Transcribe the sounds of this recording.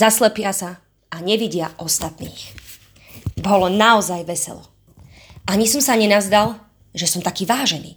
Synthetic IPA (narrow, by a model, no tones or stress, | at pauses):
zaslɛpɪasa | aɲɛʋiɟɪaʔɔst̪at̪nḭːx | bɔlɔnaɔzajʋɛsɛ̰lɔ̰ | ʔaɲisɔmsaɲɛnazd̪al | ʒɛsɔmt̪akiːʋaːʒɛnḭː